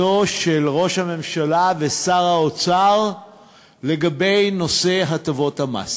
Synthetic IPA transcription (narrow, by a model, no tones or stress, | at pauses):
o̞ʃelʁo̞ʃhame̞mʃalave̞saʁaot͡saʁ | le̞ɡabe̞jno̞se̞ɦatovo̞thama̰s